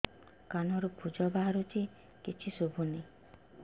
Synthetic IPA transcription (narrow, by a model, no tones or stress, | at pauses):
kanɔɾupʰud͡ʒɔbaɦaɾut͡ʃʰi | kit͡ʃʰisobʱune